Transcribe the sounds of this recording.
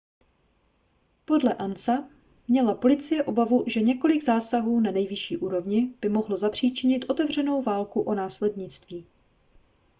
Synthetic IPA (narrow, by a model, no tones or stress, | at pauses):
po̞dlɛʔansa | mɲɛlapo̞lɪt͡sɪjɛʔo̞bavuʒɛɲɛko̞lɪɡzaːsaɦuːnanɛjvɪʃiːʔuːɾo̞vɲɪb̥ɪmo̞ɦlo̞zapr̝̥iːt͡ʃɪɲɪt̪ʔo̞t̪ɛvr̝ɛno̞wvaːlkuʔo̞naːslɛdɲɪt͡st̪viː